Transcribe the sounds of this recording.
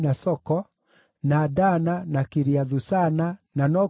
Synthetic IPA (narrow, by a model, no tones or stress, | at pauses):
nasɔkɔ | nadananakeɾiaðusanananɔ